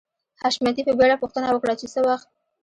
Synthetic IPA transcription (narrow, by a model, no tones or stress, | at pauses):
haʃmjat̪̬ipəbeɽapuxt̪ənawəkɽat͡ʃesəwaxt̪̚